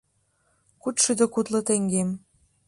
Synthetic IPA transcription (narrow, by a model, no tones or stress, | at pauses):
kut̪ʃyd̪əkut̪lɤ̆t̪eŋɡem